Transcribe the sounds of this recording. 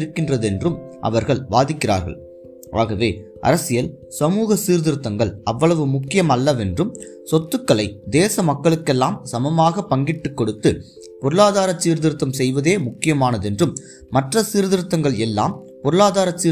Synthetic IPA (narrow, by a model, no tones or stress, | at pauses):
ɾɯkːɪndrɐðɛndrɯmʔɐ̰ʋɐɾɣɐɭʋaːðɪkːɪɾra̰ːɾɣɐ̰ɭ | ʔa̰ːɣɐʋeː | ʔɐ̰ɾɐsɪjɐl | sɐmuːɣɐsiːɾðɪɾɯt̪ːɐŋɡɐɭɐʋːɐɭɐʋɯmʊkːɪjɐmɐlːɐʋɛndrɯm | sɔt̪ːɯkːɐɭɐɪd̪eːsɐmɐkːɐɭɯkːɛlːaːmsɐmɐmaːɣɐpːɐŋɡɪʈːɯkːɔɽɯt̪ːɯ | pɔɾɯɭaːðaːɾɐt͡ʃːiːɾðɪɾɯt̪ːɐmsɛjʋɐðeːmʊkːɪjɐmaːnɐðɛndrɯmː | ɐʈrɐsiːɾðɪɾɯt̪ːɐŋɡɐɭɛlːa̰ːm | pɔɾɯɭaːðaːɾɐt͡ʃːiː